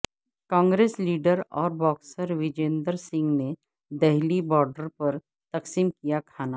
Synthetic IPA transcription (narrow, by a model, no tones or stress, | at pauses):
kãːŋɡɾeːsliːɖəɾɔːɾbɔːksəɾʋɪd͡ʒẽːnd̪əɾsɪ̃ŋɡne | d̪ɛɦlibɔːɾɖəɾpɐɾ | t̪ɐksiːmkijakʰaːna